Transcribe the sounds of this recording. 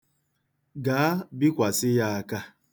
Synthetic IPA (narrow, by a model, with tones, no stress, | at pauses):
ɡaː˨˦bi˦kʷa˨sɪ˦ja˦a˦ka˦